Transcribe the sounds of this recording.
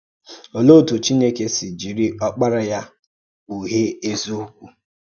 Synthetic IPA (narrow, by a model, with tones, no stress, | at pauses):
o˨lo˦˨tu˨t͡ʃi˦ne˦ke˦si˨d͡ʒi˨ɾi˦ʔɔ˦k͡pa˦ɾa˦ja˦ | u˨ɦe˦e˦zu˦kʷu˦